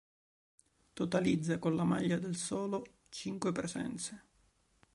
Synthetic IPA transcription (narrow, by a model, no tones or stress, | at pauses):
t̪ot̪alid̪zːakonlama̰ʎːad̪elsɔːlo | t͡ʃiŋkwepɾezɛ̰nt̪se